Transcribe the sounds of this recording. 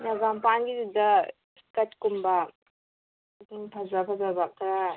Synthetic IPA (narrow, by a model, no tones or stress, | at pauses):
naɡampaŋɡidida | kɐt̚kumba | pʰazapʰɐzabak̚ɾa